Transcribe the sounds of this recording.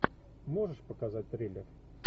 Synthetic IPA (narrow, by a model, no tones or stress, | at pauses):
mo̞ʐɨʂpəkazat̚ʲt̪ɾʲelʲɪr